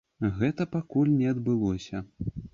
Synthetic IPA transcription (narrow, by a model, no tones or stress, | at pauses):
ɣɛt̪ɐpakulʲnʲɛɐd̪bɨlˠɔsʲɐ